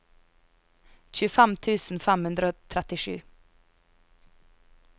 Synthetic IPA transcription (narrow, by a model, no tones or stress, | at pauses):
c͡çʉːfɛmt̪ʰʉːsn̩fɛmhʉnd̪ɾəoːt̪ʰɾɛt̪ɪʂʉ̰ː